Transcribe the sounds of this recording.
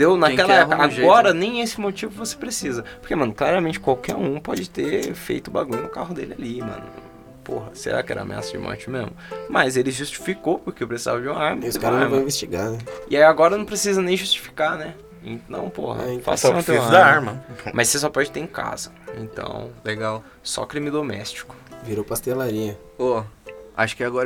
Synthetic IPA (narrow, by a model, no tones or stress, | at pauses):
d̪ewnakkɛlɐɛkɐaɡɔɾɐnẽj̃esɪmot͡ʃivʊvose̥pɾesizɐpoɾkemɐ̃nʊklaɾɐmẽnt͡ʃɪ̥kwawkɛɾũpɔd͡ʒɪt̪eɾfḛjt̪ʊba̰ɡũɲʊnʊkaɦʊd̪ḛlɪalimɐ̰̃nʊ | poɦɐsḛɾa̰kɪɛ̰ɾɐa̰mḛa̰sɐd͡ʒɪ̰mʔɔ̰ɾt͡ʃɪmezmʊmɐzelɪʒust͡ʃi̥fikowpʊɾkeʊwpɾesiza̰vɐd͡ʒɪũmɐaɾmɐskaɾɐ̃vãvest͡ʃiɡanɛɪaiaɡɔɾɐnɐ̃w̃p̬ɾesizɐnẽj̃ʒust͡ʃi̥fi̥kanɛ | ĩnɐ̰̃w̃pohɐ̰fa̰st̪ẽd̪aaɾmɐmʔɐsːes̬ɔpɔd͡ʒɪt̪eẽka̰zɐ | ḛ̃nt̪ɐ̰̃w̃leɡaw | sɔ̰kɾimɪd̪omɛst͡ʃi̥kʊ̥viɾopast̪elaɾĩɐ | oa̰ʃʊ̥kɪaɡɔɾɐ